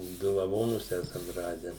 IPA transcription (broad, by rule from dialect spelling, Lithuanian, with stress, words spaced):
ˈdʊ lˠɐˈʋoːnʊs ˈæːsɐm ˈrɑːdʲɛ